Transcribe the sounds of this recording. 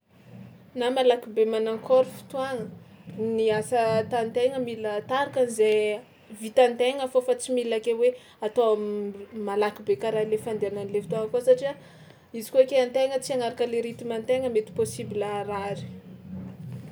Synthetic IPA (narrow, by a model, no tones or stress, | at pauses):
namalakibemanaŋkʰoɾifi̥t̪uwaŋəniasət̪ant̪eŋəmilət̪aɾakanize | vit̪ant̪eŋəfofat͡similakewe | at̪o | malakibekaɾalefand̪eananilefit̪uaŋəkosaʈ͡ʂia | izi̥kekeant̪eŋət͡siaŋaɾakəleɾit̪imant̪eŋəmet̪i̥posibiləɾaɾi̥